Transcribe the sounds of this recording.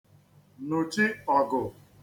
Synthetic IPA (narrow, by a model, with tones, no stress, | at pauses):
nʊ˨t͡ʃi˦ɔ˨ɡʊ˨